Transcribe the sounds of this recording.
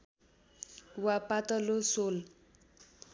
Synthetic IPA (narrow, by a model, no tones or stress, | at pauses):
wapat̪ʌlosol